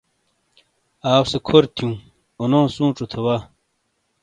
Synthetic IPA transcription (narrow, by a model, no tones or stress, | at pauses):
aːwsekʰoɾt̪ʰjũː | onõːsũːʈ͡ʂot̪ʰewa